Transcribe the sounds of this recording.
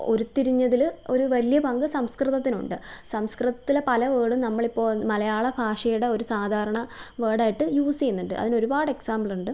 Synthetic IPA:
o̞̰ɾut̪ːiɾiɲːɐðilo̞ɾuʋɐlijɐpɐŋɡɨsɐmskrɨðɐt̪ːinṵɳɖɨsɐmskrɨðɐt̪ːilepɐlɐʋeːɽumnɐmːɐɭipːo̞ːɭmɐlɐjaːɭɐbʱaːʂɐjuɽe̞o̞ɾusaːd̪ʱaːɾɐɳɐʋeːɽaːjiʈːɨjuːst͡ɕejunːuɳɖɨ̰ʔɐ̰ðino̞ɾubaːɽɨe̞ksaːmbɭluɳɖɨ

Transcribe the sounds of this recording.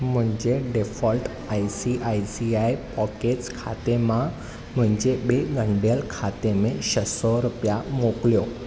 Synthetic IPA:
m̤əɳd͡ʑeɖefɔlʈ | ajsiʔajsiajpɔket͡skʰat̪ema | m̤əɳd͡ʑebeɡəɳɖjəlkʰat̪emẽɕəsɔɾupjamokljo

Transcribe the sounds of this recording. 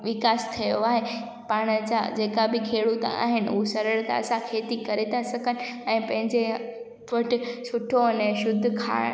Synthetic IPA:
ʋɪkaːst̪ʰijoaːɦe | paːɽ̃ət͡ɕa̰d͡ʑeːkabɪkʰeːɽut̪ã̰a̰ːɦɪnɪ̆ʊɦusɐɾəɽt̪a̰ɐsãkʰeːt̪ikɐɾet̪ʰasɐɡʱənɪ̆ɛ̃ːpɐ̃ɦɪ̃ɲd͡ʑe | pɐʈɪ̆sʊʈʰoneʃʊd̪ʱkʰa̰ː

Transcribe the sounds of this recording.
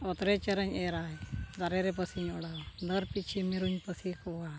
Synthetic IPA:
ɔt̪ɾɛt͡ʃəɾəɲɛɾaɛd̪aɾɛɾɛp̬əsiɲɔɽawd̪əɾpit͡ʃʰimiɾuɲpəsikɔɡa

